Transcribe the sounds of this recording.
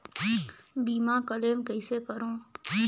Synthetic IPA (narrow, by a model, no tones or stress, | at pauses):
biːmãkəlemkəɪsekəɾõː